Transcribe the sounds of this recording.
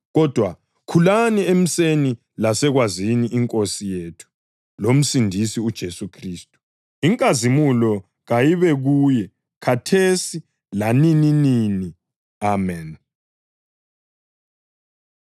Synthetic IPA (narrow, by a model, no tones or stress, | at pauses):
ɣɔd̥ʱwa | kʰulaniem̩seni | lasɛɣwaziniʔiŋkʼosijeːtʰu̥ | lom̩sindʱisiud̥ʒ̥ʱesukʰriːstʼu̥ | iŋkʼazimulɔ | ɣajiβɛɣuːjɛ | kʰatʰesi | lanininini | amɛn